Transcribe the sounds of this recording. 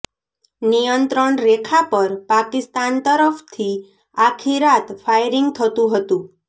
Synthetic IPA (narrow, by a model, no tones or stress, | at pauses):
nijənt̪ɾəɳɾekʰapəɾpakist̪ant̪əɾəft̪ʰi | akʰiɾat̪fʰajɾiŋɡt̪ʰət̪ũɦət̪ũ